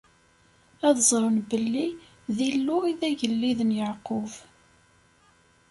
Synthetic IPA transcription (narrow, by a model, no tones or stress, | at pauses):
æðzˤɾˤənbəlːi | ðilːʊiðæʝəlːiðənjəʕqʊv